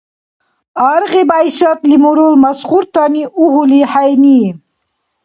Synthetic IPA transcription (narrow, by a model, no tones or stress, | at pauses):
aɾɣibajʃat̪limuɾulmasχuɾt̪aniʔuɦuliħajni